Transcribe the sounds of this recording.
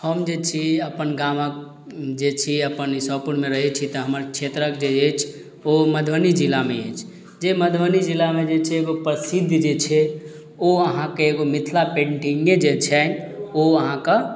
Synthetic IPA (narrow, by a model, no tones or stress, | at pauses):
həmd͡ʒet͡ʃʰiəpənɡamək̚ | d͡ʒet͡ʃʰiəpənisəpuɾnmeɾəɦɛt͡ʃʰit̪əɦəməɾkt͡ʃʰet̪ɾəkd͡ʒeet͡ʃʰ | oməd̪ʱʋənid͡ʒilameet͡ʃʰ | d͡ʒeməd̪ʱʋənid͡ʒilːamed͡ʒet͡ʃʰɛːɡopɾəsid̪ʱːd͡ʒet͡ʃʰɛ | oəɦãkeeɡomit̪ʰlapẽɳʈiŋed͡ʒet͡ʃʰɛnoəɦãkə